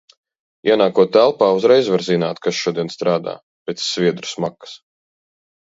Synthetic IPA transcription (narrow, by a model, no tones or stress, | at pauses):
iɛnaːkuɔt̪ːælˠpaːuzɾɛjzvaɾzinaːt̪kasʃuɔd̪iɛnst̪ɾaːd̪a̰ː | pet̪sːviɛd̪ɾu̥smakːə̥s